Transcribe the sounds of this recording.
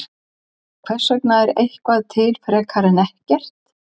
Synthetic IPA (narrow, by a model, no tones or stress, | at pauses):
kʰv̥ɛr̥sœk̚naɛɾejhkvaðt̪ʰɪlfɛɾɛkʰaːɾɪnɛhcɛr̥t̪